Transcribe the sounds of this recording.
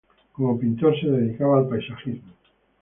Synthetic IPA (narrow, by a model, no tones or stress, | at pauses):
komopint̪oɾseðeðikaβaːlpajsaxizmo